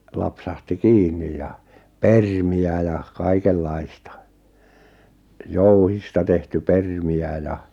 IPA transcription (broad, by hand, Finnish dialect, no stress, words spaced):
lɑpsɑhti kiːnːij jɑ permiæ jɑ kɑikelːɑistɑ jouhistɑ tehty permiæ jɑ